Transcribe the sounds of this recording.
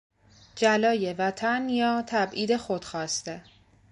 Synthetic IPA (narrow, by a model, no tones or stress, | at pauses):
d͡ʒælɒːjevæt̪ʰænjɒːt̪ʰæbʔiːd̪e̞xod̪̥xɒːst̪e